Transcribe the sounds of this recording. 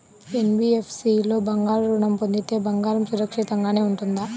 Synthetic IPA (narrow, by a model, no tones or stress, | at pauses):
enbiepʰsilo̞ːbɐŋɡaːɾɾuɳɐmpond̪it̪e̞ːbɐŋɡaːɾɐmsuɾɐkʂit̪ɐŋɡaːne̞ːuɳʈund̪a